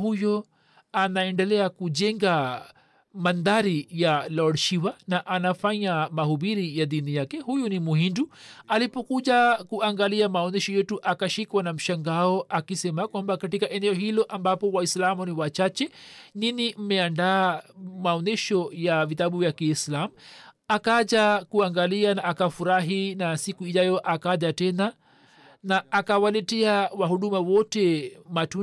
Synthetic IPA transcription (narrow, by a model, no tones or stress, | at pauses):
hujɔ | anaɛndɛlɛakud͡ʒɛŋɡa | mand̪aɾijalɔɾʃiwanaʔanafaɲamahuɓiɾijaðinijakɛhujunimuhindualipɔkuʄakuaŋɡaliamaɔnɛʃɔjɛtuʔakaʃikwanam̩ʃaŋɡaɔʔakisɛmakwambakatikaʔɛnɛɔɦilɔʔambapɔwaislamuniwat͡ʃat͡ʃɛninim̩mɛandaːmaɔnɛʃɔjavitaɓuvjakiːslamu | akaʄakuaŋɡalianaːkafuɾaɦinasikuiʄajɔʔakaʄatɛna | naːkawalɛtɛawaɦuɗumawɔtɛmatu